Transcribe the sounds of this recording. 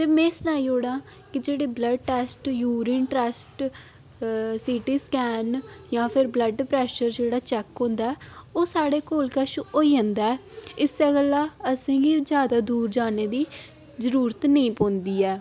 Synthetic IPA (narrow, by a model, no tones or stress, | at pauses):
t̪eːmẽːslaːiːɦoːɽãː | kɪd͡ʒeːɽeːbləɖʈɛːsʈjuːɾiːnʈɾɛːsʈ | siːʈiːskɛːnjãːpʰɪɾbləɖpɾɛːʃəɾd͡ʒeːɽaːt͡ʃɛːkɦõːnd̪aːɛːoːsaːɽeːkoːlkəʃoːiːãːnd̪aːɛːɪseːɡəlːaːəsĩːɡid͡ʒjaːd̪aːd̪uːɾd͡ʒaːneːd̪iː | zəɾuːɾət̪nəĩːpõːnd̪iːɛː